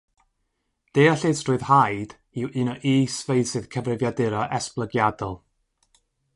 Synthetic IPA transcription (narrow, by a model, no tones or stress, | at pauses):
d̥eɔɬɪstrʊɨðhajd̥ | iwʔɨnɔʔiːsvejsɨð̥kʰəvrɪvjadɪɾɔʔɛsplˠəɡjadɔlˠ